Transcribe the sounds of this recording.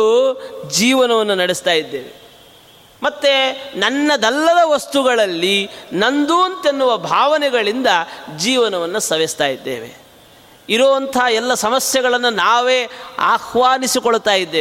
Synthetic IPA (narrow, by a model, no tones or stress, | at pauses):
d͡ʒiːʋɐnɐʋɐnːunɐɽɛst̪aːjid̪ːeːʋe | mɐt̪ːenɐnːɐd̪ɛlːɐd̪ɐʋɐst̪uɡɐɭɐlːinɐnd̪uːɐnt̪enːuʋɐbʱaːʋɐnɛɡɐɭind̪ɐd͡ʒiːʋɐnɐʋɐnːusɐʋest̪aːjid̪ːḛːʋḛ | iɾoːʋɐnt̪ʰɐɦaɛlːɐsɐmɐsjɛɣɐɭɐnːunaːʋeːa̰ːxʋaːnisikoɭut̪aːjid̪ːeː